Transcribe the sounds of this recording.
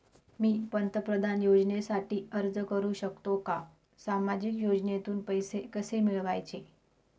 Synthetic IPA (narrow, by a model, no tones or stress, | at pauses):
miːpənt̪əpɾəd̪ʱanjod͡znesaʈiːəɾd͡zəkəɾuːɕəkt̪oka | samad͡ʑikjod͡ʑnet̪uːnpəjsekəsemiɭʋajt͡ɕe